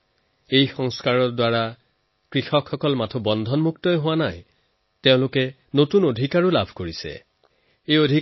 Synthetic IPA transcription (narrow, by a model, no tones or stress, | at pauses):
ejxɔŋskaɹɔdwaɹa | kɹixɔkʰxɔkɔlmatʰɔbɔndʱɔnmuktɔjɦʊwanaj | teʊ̃lʊkɛ | notunodʱikaɹulabʱkoɹisɛ̰ | ejodʱi